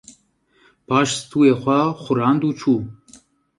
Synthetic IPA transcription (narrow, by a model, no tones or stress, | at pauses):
b̥ɑːʃst̪ʰuːeːxʷaxʊɾɑːnd̪uːt͡ʃʰuː